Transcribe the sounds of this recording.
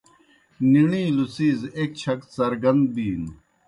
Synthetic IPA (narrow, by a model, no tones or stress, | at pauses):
niɳ̃ĩːlusiːzeːk̚t͡ɕʰɐksɐɾɡɐnd̪̚biːn